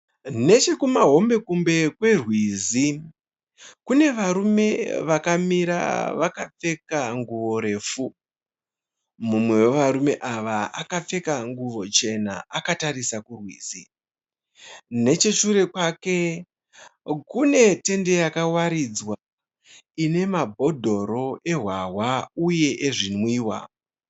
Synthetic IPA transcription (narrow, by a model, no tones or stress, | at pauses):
ne̞t͡ʃe̞kumaɦo̞mbe̞kumbe̞kwe̞rwiːzi | kune̞ʋaɾume̞ʋakamiɾa̰ʋakap͡fe̞kaŋɡuʋo̞ɾe̞ːfu | mumwe̞wo̞ʋaɾume̞ʔaʋaa̰kap͡fe̞kaŋɡuʋo̞t͡ʃe̞naakatarisakurwḭːsi | ne̞t͡ʃeʃuɾe̞kwaːke̞ | kune̞te̞nde̞jakawaɾid͡zwa | ine̞mabʱo̞dʱo̞ɾo̞ʔe̞ɦwawauje̞ʔeʐinwiːwa̰